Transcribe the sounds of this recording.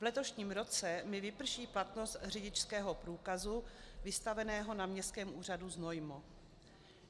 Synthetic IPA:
vlɛt̪o̞ʃɲiːmɾo̞t͡sɛmɪvɪpr̩ʃiːplat̪no̞st̪r̝ɪɟɪt͡ʃskɛːɦo̞pɾuːkazuvɪst̪avɛnɛːɦo̞namɲɛst̪kɛːmʔuːr̝aduzno̞jmo

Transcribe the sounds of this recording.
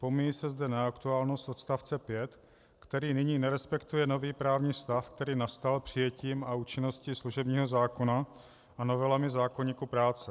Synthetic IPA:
pomɪjisɛzdɛnaakt̪uaːlno̞st̪o̞t̪st̪aft͡sɛpjɛt̪ | kt̪ɛɾiːnɪɲiːnɛɾɛspɛkt̪ujɛno̞viːpɾaːvɲiːst̪afk̚t̪ɛɾiːnast̪alpr̝̥ɪjɛciːmauːt͡ʃɪno̞scɪsluʒɛbɲiːɦo̞zaːko̞na | ʔano̞vɛlamɪzaːko̞ɲiːkupɾaːt͡sɛ

